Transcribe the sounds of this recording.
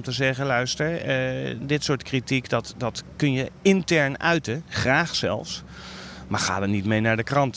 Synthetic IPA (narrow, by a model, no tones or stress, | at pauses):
mtəzɛχəlœɥstəɹ | dɪtsʊːɹtkritikdɑtdɑtkɵnjəɪntɛɹnœɥtəχraːχsɛ̰lˠfs | maːɹχa̰ːdəɹnitmejnaːɹdəkrɑnt